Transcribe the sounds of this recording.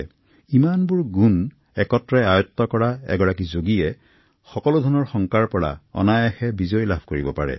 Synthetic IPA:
imanbʊɹɡun | ɛkɔtɹɛajɔt̪ːɔkɔɹaɛ̰ɡɔɹakizoɡijɛ | xɔkɔlʊdʱɔɹnɔɹxɔŋkaɹpɔɹa̰ɔ̰najaxɛbizɔjlabʱkoɹibɔpaɹɛ̰

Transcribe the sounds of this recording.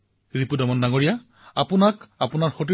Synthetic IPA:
ɹipudɔmɔndaŋoɹija | apʊnakapʊnaɹxot̬i

